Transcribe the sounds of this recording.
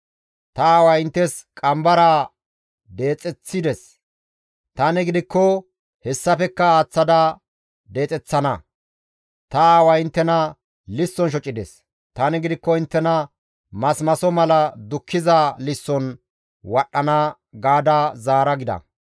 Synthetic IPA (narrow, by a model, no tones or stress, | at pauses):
t̪ɐaːwɐɪnt̪ːɛskʼɐmbɐɾaː | d̪e̞ːt͡sʼɛt͡sːɪd̪ɛs | t̪ɐnɪɡɪd̪ɪkːɔ | hɛsːɐfɛkːɐaːt͡sːɐd̪ɐ | d̪e̞ːt͡sʼɛt͡sːɐnɐ | t̪ɐaːwɐɪnt̪ːɛnɐ | lɪsːɔnʃ̬ɔt͡ʃʼːɪd̪ɛs | t̪ɐnɪɡɪd̪ɪkːɔɪnt̪ːɛnɐ | mɐsmɐsɔmɐlɐd̪ʊkʰːɪzalɪsːɔn | wɐɗːɐnɐ | ɡaːd̪azaːɾɐɡɪd̪ɐ̰